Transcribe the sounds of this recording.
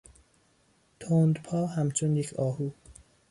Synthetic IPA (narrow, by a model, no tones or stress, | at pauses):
t̪ʰoːnd̪pʰɒːɦæmt͡ʃʰonjecʰɒːhuː